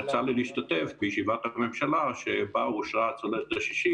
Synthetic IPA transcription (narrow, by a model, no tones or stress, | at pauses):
at͡saliliiʃt̪at̪efbejeʃivat̪hamemʃalaʃebauʃaat͡saletd̪aʃi̥ʃi